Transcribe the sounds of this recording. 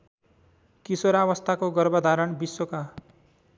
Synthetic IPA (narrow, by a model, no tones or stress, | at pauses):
kisoɾaβʌst̪ʰakoɡʌrbʌd̪ʱaɾʌɳbiswoka